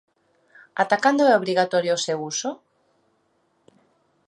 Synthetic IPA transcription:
at̪akand̪oɛoβ̞ɾiɣat̪ɔɾjoosewusʊ

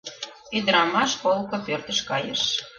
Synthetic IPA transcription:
yd̪əɾɑmɑʃkolˠkopørt̪ə̆ʃkɑjə̰ʃ

